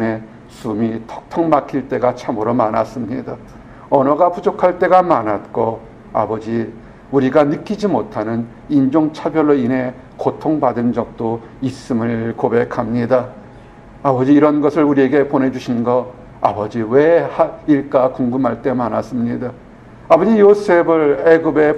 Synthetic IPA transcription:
ne̞ | sumitʰʌ̥k̚tʰʌŋmakʰiɭt͈e̞ɡat͡ɕʰamɯɾomanas͈ɯmɲida | ʌnʌɡapud͡ʑokʰaɭt͈e̞ɡamanat̚k͈o | a̰bʌd͡ʑi | uɾiɡanɯk͈ʰid͡ʑimotʰanɯn | ind͡ʑoŋt͡ɕʰabjʌɭːoinɦe̞ | kotʰoŋbadɯnd͡ʑʌk̚t͈o | is͈ɯmɯɭkobe̞kʰamɲida | abʌd͡ʑiːɾʌnɡʌsʰɯɭuɾie̞ɡe̞pone̞d͡ʑuɕʰinɡʌ | a̰bʌd͡ʑiwehaiɭk͈akoŋɡɯmɦaɭt͈e̞manas͈ɯmɲida | abʌd͡ʑijosʰebɯɭeɡɯbe̞

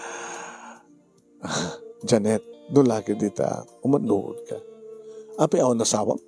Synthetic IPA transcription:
d͡ʒanɛt̪̚d̪ʊnlakɪd̪it̪a̰ʊmand̪ṵʔʊ̰d̪̚ka̰ | ʔapɛaonasaːwa̰m

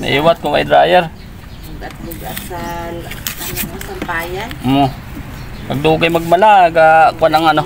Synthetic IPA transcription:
na̰ʔiːwat̪̚kʊŋajd̪ɾaːjɛɾ | ɡat̪̚uɡasalanaasampaːjanmo | paɡ̚d̪uɡajmaɡ̚malaɡakwanaŋano

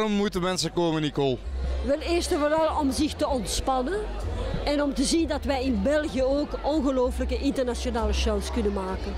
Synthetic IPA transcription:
ɔmːutəmɛnsəkoːmənikolˠʋɛlˠɪːrstəvoɾɑlˠɔmzɪxtəɔntspɑnən | ɛnɔmtəzindɑtʋɛjɪnbɛlˠɣijəoːkʔɔnɣəloːfələkəʔɪntərnasonaːləʃawskɵnənmaːkən

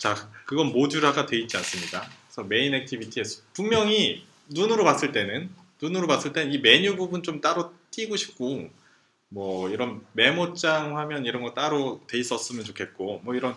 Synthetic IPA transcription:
t͡ɕakɯɡʌnmod͡ʑuɾɯɦaɡatwe̞it̚t͡ɕ͈ians͈ɯmɲidakesʰʌme̞inek̚tʰibitʰiesʰʌpuŋmjʌŋi | nunɯɾopas͈ɯɭt͈e̞nɯn | nunɯɾopas͈ɯɭt͈e̞nɯnime̞ɲububunt͡ɕomt͈aɾot͈iɡoɕʰi̥p̚k͈o | mwʌiɾʌnme̞mot͡ɕ͈aŋhamjʌniɾʌnɡʌt͈aɾote̞is͈ʌs͈ɯmjʌnt͡ɕokʰe̞t̚k͈omwʌiɾʌn

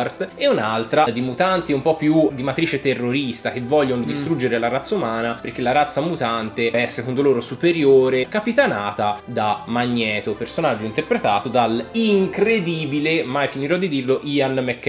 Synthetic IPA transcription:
rt̪eunalt̪ɾad̪imut̪ant̪iumpɔpːjud̪imat̪ɾiːt͡ʃet̪erːoɾist̪ak̟evːɔʎːond̪ist̪ɾud͡ʒːeɾelaɾat̪sːaumaːnaperk̟elːaɾat̪sːamut̪ant̪eɛsːekond̪oloːɾosupeɾjoːɾekapit̪anaːt̪ad̪amaɲːɛːt̪opersonad͡ʒːoint̪erpɾet̪a̰ːt̪od̪aliŋkɾed̪iːbilemajfiniɾɔd̪ːid̪irloʔianmɛkː

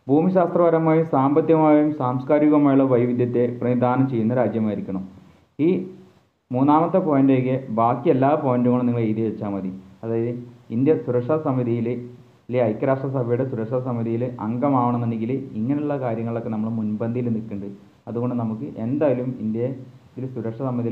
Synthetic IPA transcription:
bʱuːmiɕaːst̪rɐʋɐɾɐmaːjumsaːmbɐt̪jɐmaːjumsaːmskaːɾiɣɐmaːjuɭːɐʋɐjʋid̪jɐt̪ːe̞prɐnid̪aːnɐmt͡ɕe̞jːunːɐɾaːd͡ʑjɐmaːjiɾikʲːɐɳu | iː | muːnːaːmɐt̪ːepoːjɐndekːebaːkːijelːaːpoːjɐnduŋːɐɭumniŋːɐɭejt̪iʋet͡ɕːaːmɐðiɐðaːjɐðɨind̪jɐsuɾɐkʂɐɐsɐmiðijil | lːiɐjkːɐɾaːʂʈrɐsɐbʱɐjuɽe̞suɾɐkʂɐɐsɐmiðijilʔɐŋɡɐmaːʋɐɳɐ̃mːendeŋɡiliŋːɐneuɭːɐkaːɾjɐŋːɐɭo̞kːe̞nɐmːɐɭmunbɐnd̪ʱijilnikːuɳɖɨ | ɐðuɣo̞ɳɖɨnɐmukːɨʔe̞nd̪aːjɐlumind̪jɐt̪ːilsuɾɐkʂɐsɐmiði

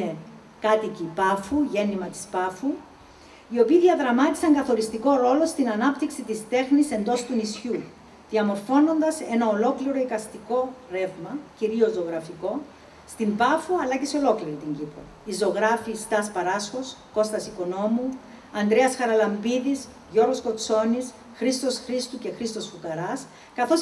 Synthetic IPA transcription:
e | kɐt̪icipɐfuʝe̞nimɐt̪i̥spɐfu | io̞piːðiɐðɾɐmɐt̪i̥sɐŋɡɐθo̞ɾist̪iko̞ɾo̞lo̞st̪inɐnɐpt̪iksit̪ist̪e̞xnise̞nd̪o̞st̪unisçu | ðiɐmo̞ɾfo̞no̞nd̪ɐse̞nɐolo̞kliɾo̞ikɐst̪iko̞ɾe̞vmɐciɾio̞zoɣɾɐfiko̞ | st̪imbɐfuɐlɐce̞seo̞lo̞kliɾit̪iɲɟipɾo̰ | izo̞ɣɾɐfist̪ɐspɐɾɐsxo̞sko̞st̪ɐsiko̞no̞mu | ɐnd̪ɾeɐsxɐɾɐlɐmbiðis | ʝo̞ɾɣosko̞t͡sːo̞nis | xɾist̪o̞sxɾist̪uce̞xɾist̪o̞sfukɐɾɐs | kɐθo̞s

